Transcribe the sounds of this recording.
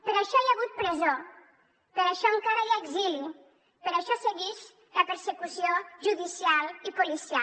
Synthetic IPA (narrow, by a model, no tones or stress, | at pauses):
pəɾaʃɔiaɣut̪̚pɾezo | peɾaʃɔeŋkaɾaeɡzili | peɾaʃɔseɣiʃ | lapəɾsekusioʒuðisialipulisia